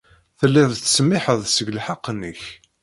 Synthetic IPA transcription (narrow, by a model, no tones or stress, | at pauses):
θəlːævθsmɪħəðˤsəɡlħaqːənːəç